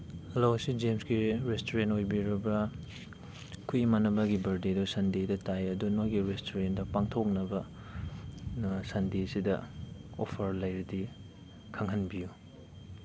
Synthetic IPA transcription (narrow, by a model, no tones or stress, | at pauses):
lawsid͡ʒemsɡiɾestoɾentojbiɾɐbɐ | kʰujmɐnɐbɐɡibɐɾdedusɐndedɐtajɐdunojɡiɾestʰoɾendɐpaŋtʰok̚nɐbɐ | sɐndesidɐ̰opʰɐɾlɐjɾidi | kʰɐŋɦɐnbiju